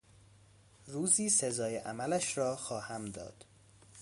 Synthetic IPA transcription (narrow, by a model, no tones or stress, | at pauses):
ruːziːsezɒːjeʔæmælæʃɾɒːxɒːhæmd̪ɒ̰ːd̪̥